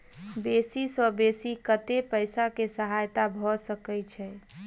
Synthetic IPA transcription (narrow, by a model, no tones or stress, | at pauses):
besisɔbesikət̪epəjsakesəɦajt̪abʱɔsəkɛt͡ʃʰɛ